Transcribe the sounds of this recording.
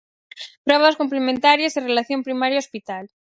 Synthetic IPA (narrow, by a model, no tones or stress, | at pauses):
pɾoβaskomplemẽnt̪aɾjasirelaθjo̞mpɾimaɾjaospit̪al